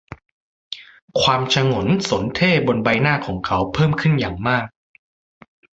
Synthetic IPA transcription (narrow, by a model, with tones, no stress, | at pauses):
kʰwaː˧mt͡ɕʰa˧ŋo˩˦nso˩˦nt̪ʰeː˥˩bo˧nba˧jnaː˥˩kʰɔː˩˦ŋkʰa˦˥wpʰɤː˥˩mkʰɯ˥˩njaː˨˩ŋmaː˥˩k̚